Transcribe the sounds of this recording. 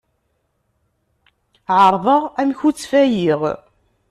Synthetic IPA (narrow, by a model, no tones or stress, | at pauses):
ʕəɾˤðˤəʁæmçut͡sːfæjiʁ